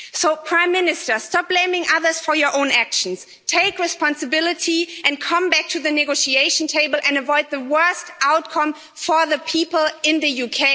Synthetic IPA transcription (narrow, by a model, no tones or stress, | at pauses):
soʊpʰɹ̥ãɪ̃mːɪnɨstə˞stɑp̚b̥lẽɪ̃mɪ̃ŋʔʌðə˞z̥fɔ˞jɔ˞ʔõʊ̃nækʃə̃n̩s | tʰeɪkɹɨspɑ̃nsɨbɪlˠɪtiʔɨ̃nkʰʌ̃mbæk̚tʰuðɨnɨɡoʊʃieɪʃn̩tʰeɪbəl̩ˠʔɨ̃ndəvɔɪd̪̚ðəwɜ˞stʔaʊt̚kʰʌ̃m | fə˞ðəpʰipəl̩ˠɪ̃nðɨjukʰeɪ